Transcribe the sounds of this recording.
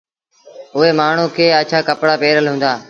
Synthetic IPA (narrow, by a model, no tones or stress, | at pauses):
ʊɦeːmaːɳ̤ũːkʰeːət͡ʃʰaːkəpɽaːpeːɾəlɦʊ̃nd̪aː